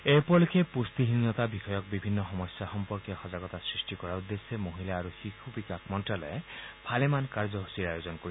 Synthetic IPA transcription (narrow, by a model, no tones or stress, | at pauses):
ejpɔlukʰepust̪iɦinːɔt̪abixɔjɔk̚bibʱinːɔxɔmɔsjaxɔmpɔɹkiɔxɔzaɡɔt̪asɹisʈikɔɹaud̪ːesemoɦilaːɹuxixubikakmɔntɹalɔpʰalemankaɹzɔɦusiɹajozɔnkoɹi